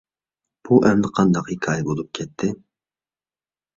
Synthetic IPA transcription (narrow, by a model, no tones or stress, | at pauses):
b̥uʔɛmnɪqʰɑnd̪ɑqhikʰɑːjɛbolˠup̚kʲʰɛt̪ʰːɪ